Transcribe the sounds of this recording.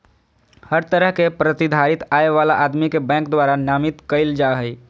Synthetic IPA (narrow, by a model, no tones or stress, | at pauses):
həɾt̪əɾəɦkepɾət̪id̪ʱaɾit̪aeʋalaʔad̪mikebɛ̃ŋkd̪waɾanamit̪kəɪld͡ʒaɦəj